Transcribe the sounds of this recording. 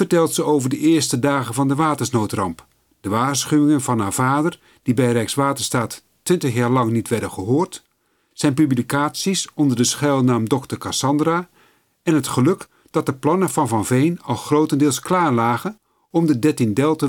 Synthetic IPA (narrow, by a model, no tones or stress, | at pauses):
fərtɛlˠtsəowvərdəɪərstədaːɣənvɑndəʋaːtənsnowtrɑ̰mp | d̥əʋaːrsχyʋɪŋənvɑnɦaːɹv̥aːdər | d̥ibɛjrɛjksʋaːtərstaːtː | ʋɪntəχjaːɹlɑŋnitʋɛrdəχəɦoːrt | sɛjnpyblikaːsisɔndərdəsχɛlˠnaːmdɔktərkasɑndra | ɛnɦətχəlɵk | d̥ɑt̚dəplɑnəvɑnvɑnvejnɑlˠχrowtəndɪːlˠsklaːrlaːɣən | ɔmdədɛtɪŋdɛlˠtə